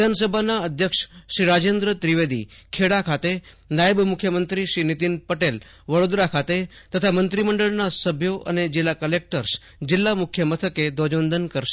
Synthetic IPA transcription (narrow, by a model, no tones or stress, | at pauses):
d̪ʱansəbʱanaəd̪ʱjəkʂʃɾiɾad͡ʒend̪ɾət̪ɾiʋed̪ḭkʰeɽakʰat̪e | najəbmukʰjəmənt̪ɾiʃɾinit̪inpəʈel | ʋəɽod̪ɾakʰat̪et̪ət̪ʰamənt̪ɾiməɳɖəɭnasəbʱjoʔə̰ned͡ʒɪlːakəlek̚ʈəɾs | d͡ʒɪlːamukʰjəmət̪ʰəked̪od͡ʒʋənd̪ʱənkəɾʃe̥